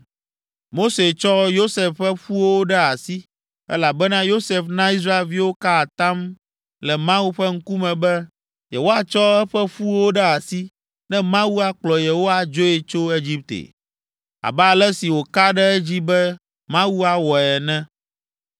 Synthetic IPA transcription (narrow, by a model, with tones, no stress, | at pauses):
mo˦se˨t͡ʃɔ˦jo˦se˨fɸɛ˦ɸu˦wo˦wo˦ɖɛ˦a˨si˦ | ɛ̰˦la˨bɛ˦nã˦jo˦se˨fnã˦i˦s̬ɾa˦e˨lvi˦wo˦ka˦a˨t̪a˦m | lɛ˨mã˦wu˦ɸɛ˦ŋ̩˦ku˦mɛ̃˨bɛ˦ | je˨wo˦a˦t͡ʃɔ˦ɛ˦ɸɛ˦ɸu˦wo˦ɖɛ˦a˨si˦ | nɛ̃˦mã˦wu˦a˦k͡plɔ˨je˨wo˦wa˦d͡ʒo˦e˨t͡ʃo˦e˦d͡ʑi˦p̚t̪ḛ˨ | a̰˨ba˦a˨lɛ˦si˨wo˨ka˦ɖɛ˦ɛ˦d͡ʑi˦bɛ˦ | mã˦wu˦a˨wɔ˨ɛ˨nɛ̃˦